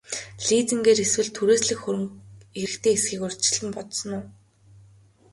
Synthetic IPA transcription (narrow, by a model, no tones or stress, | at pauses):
ɮiːt͡sɘ̆ŋɡeːɾeswɘ̆ɮt̪ʰːuɾeːsɮɘ̆kxɵɾɵ̆ŋiɘ̆kt̪ʰeːesɡiːkʊr̥t͡ɕɪ̆ɮɘ̆mpɔt̪sɞ̆nʊː